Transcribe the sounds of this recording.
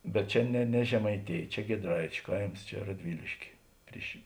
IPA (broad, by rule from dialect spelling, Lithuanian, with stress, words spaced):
bʲɛt ˈt͡ʃʲɛ nʲɛ nʲɛ ʒʲɛmɐɪˈtʲeːj ˈt͡ʃʲɛ ɡʲiɛdˈrɐɪt͡ʃʲʊ ˈkɐɪms ˈt͡ʃʲɛ rɐdʲˈʋʲɪlʲɪʃʲkʲeː ˈpʲrʲɪʃ